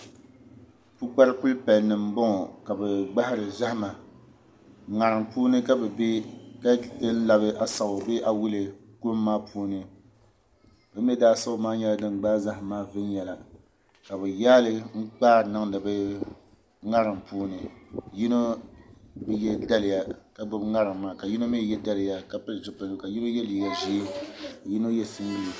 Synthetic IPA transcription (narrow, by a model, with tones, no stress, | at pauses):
pu˦k͡pa˦ɾɨ˦ku˦lpa˨lnɨ˨m˦bɔ˦ŋɔ˨ka˨bɛ˨ɡ͡ba˦hɪ˦ɾɨ˨za˦hma˨ | ŋa˨ɾɨ˨mpuː˦nɨ˦ka˦bɛ˨be˦ka˦dɨ˦n̩˦la˨bɨ˦ʔa˨sa˨ʊ˨be˦ʔa˨wu˦lɨ˨ | ko˦mːaː˦pʰuː˦nɨ˦ | bɛ˦m˦ɛ˦daː˦sa˦ʊ˦maː˦ɲɛ˦la˨dɨ˨ŋ˨ɡ͡baː˦za˦hmaː˦vɨ˦n˦jɛ˨la˨ | ka˨bɨ˨jaː˦lɨ˦ŋ̩˦k͡paː˦˨nɨ˦ŋdɨ˨bɨ˦ | ŋa˦ɾɨ˨mpuː˦nɨ˨ji˦no˦ | bɛ˦jɛ˦da˦lɪ˨ja˨ka˨ɡ͡bo˦bŋa˦ɾɨ˨ŋːaː˦ka˨ji˦no˦mi˦jɛ˦da˦lɪ˨ja˦ka˨pɨ˦˨d͡ʒɪ˦pa˨lka˨ji˦no˦jɛ˦liː˦ɡa˨ʒi˦ka˨ji˦no˦jɛ˦sɨ˦n˦i˦l